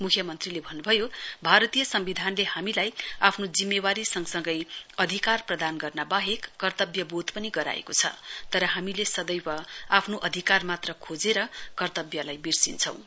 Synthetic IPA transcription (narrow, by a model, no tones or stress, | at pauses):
mukʰjʌmʌnt̪rilebʱʌnːubʱʌjobʱaɾʌt̪ijʌsʌmbid̪ʱanlehamilajapʰnod͡zimːewaɾisʌŋsʌŋɡʌjʌd̪ʱikarprʌd̪anɡʌrnabaɦekːʌrt̪ʌbjʌbod̪pʌniɡʌɾa̰ḛkot͡sʰʌ̰t̪ʌɾʌɦamilesʌd̪ʌjpʌapʰnoʔʌd̪ʱikarmat̪rʌkʰod͡zeɾʌkʌrt̪ʌbjʌlajbirsint͡sʰʌ̃w̃